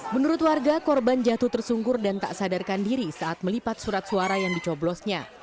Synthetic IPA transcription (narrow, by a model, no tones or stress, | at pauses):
mənuɾʊt̪̚warɡakɔrband͡ʒat̪ut̪ərsuŋɡʊrdant̪a̰ʔsadarkandiɾisaʔat̪̚məlipat̪̚suɾat̪̚suaɾajaŋdit͡ʃɔblɔsɲa